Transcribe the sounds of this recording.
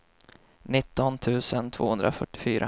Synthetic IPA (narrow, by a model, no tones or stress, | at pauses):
nɪt̪ːɔnt̪ʰʉ̟ːsənt̪ʰvo̰ːhɵnd̪ɾafœʈːɪ̥fyːɾʔa̰